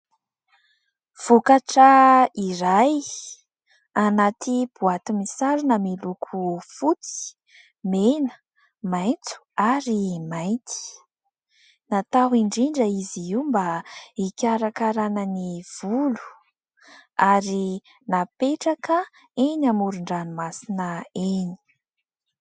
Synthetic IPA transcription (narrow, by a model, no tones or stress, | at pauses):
v̥ukaʈ͡ʂəiɾaj | anat̪ib̥uat̪imisaɾunamilukʰufut͡si̥ | menə̥ | majnt͡su̥aɾimajnt̪i̥ | nat̪aɦiɳɖ͡ʐiɳɖ͡ʐəiziiwmbaikʲaɾakaɾanəniv̥ulu̥ | aɾi | napeʈ͡ʂakə | enamuɾuɳɖ͡ʐanimasinəeni̥